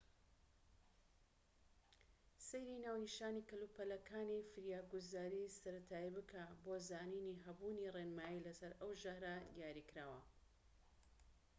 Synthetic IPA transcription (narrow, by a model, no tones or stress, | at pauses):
sejɾinaːwniʃaːnikɐlupɐlɐkʰaːnifɨɾjaːɡuzaːɾisɐɾɐt̪ʰaːibɨkʰabozaːniːniɦɐbuːnirenmaːjilɐsɐɾɐwʒɐhɾad̪ijaːɾikɾaːwɐ̰